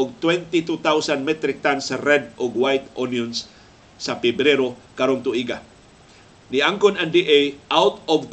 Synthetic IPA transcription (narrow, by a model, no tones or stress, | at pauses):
ʊɡ̚t̪wɛnt̪it̪ut̪awsanmɛt̪ɾɪk̚t̪ansaɾɛd̪ʔʊɡwajt̪ʔonjonsː | apɛbɾɛɾokaɾont̪ʊʔiɡa | niʔaŋkʊnand̪iʔejʔawt̪ɔvk